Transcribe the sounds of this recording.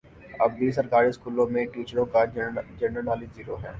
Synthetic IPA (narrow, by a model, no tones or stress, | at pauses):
ɐbbiːsɐɾkaːɾiskuːlõmẽʈiːt͡ʃəɾõkad͡ʒɛ̃ɳɖəɾnaːliziːɾoɦɛ̰̃ː